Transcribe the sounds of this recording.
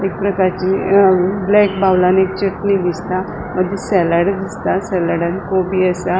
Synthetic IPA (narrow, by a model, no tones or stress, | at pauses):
ek̚pɾəkaɾt͡ɕi | blɛkbawlanek̚t͡ɕəknid̪ist̪a | məd̪ʱjesɛləɽd̪ist̪asɛləɽãnkobiəsa